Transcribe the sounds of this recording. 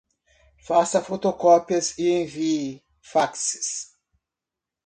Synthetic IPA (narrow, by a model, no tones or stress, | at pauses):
fasɐfot̪okɔpiɐziẽvi | faksɪ̥s